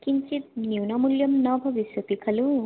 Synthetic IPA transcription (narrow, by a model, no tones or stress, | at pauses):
kint͡ʃit̪̚niwnamuljʌmnʌbʱʌbiswɐt̪ikʰɐlu